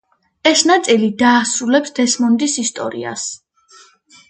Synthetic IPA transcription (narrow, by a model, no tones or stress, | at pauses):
ɛsnat̪sʼilid̪aːsɾulɛpsd̪̥ɛsmɔnd̪isist̪ʼɔ̰ɾḭa̰s